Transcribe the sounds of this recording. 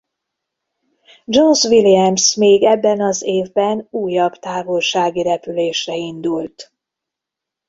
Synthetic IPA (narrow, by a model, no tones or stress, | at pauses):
d͡ʒonsʋiliɛmsmeːɡɛbːɛnɒzeːvbɛnuːjɒbt̪aːvolʃaːɡiɾɛpyleːʃrɛind̪ult̪